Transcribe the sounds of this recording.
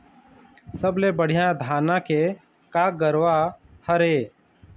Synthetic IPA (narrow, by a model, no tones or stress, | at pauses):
səblebəɽ̤ijãd̪ʱaːnãke | kaɡəɾʋahəɾeː